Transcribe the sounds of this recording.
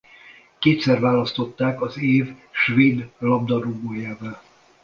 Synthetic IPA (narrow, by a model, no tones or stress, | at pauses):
keːt̪sɛrvaːlɒst̪o̞t̪ːaːkɒzeːvʃveːd̪lɒbd̪ɒɾoboːjaːvɛl